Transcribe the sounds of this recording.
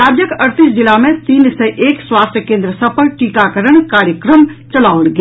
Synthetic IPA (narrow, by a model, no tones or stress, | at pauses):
aːd͡ʒjəkəɾt̪ɪsd͡ʒɪlamẽt̪iːnsẽʔeːkswaːst̪ʰjəkẽːnd̪ɾəsəpʰəlʈiːkakəɾəɽ̃kaːɾjəkɾəmt͡ʃəlaːʊɽɡ